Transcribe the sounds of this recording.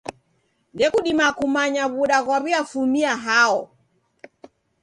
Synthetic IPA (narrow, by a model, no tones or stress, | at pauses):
ndɛkuɗimakumaɲaβuɗaɣwaβiafumiaɦaɔ